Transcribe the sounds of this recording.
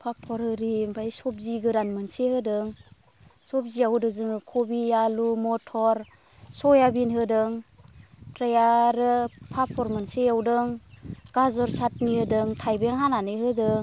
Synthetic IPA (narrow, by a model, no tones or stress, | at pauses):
pʰapʰːɔɾɯɾimbʰajsɔp̚ziɡɯɾanmɯnsehɯdɯŋ | sɔp̚ziawdɯzɯŋɯkʰɔbijalumɔtʰɔɾ | sɔjabinɦɯdɯŋ | tɾejaɾɯpʰapʰːɔɾmɯnseawdɯŋɡ̥azɔɾsat̚nihɯdɯŋtʰajbeŋɦananɯɦɯdɯŋ